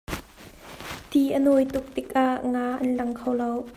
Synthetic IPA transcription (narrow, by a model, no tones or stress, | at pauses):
t̪iːʔənojt̪ʊk̚t̪ɪk̚ʔaʔŋaːʔɐnlɐŋkʰəwlɐw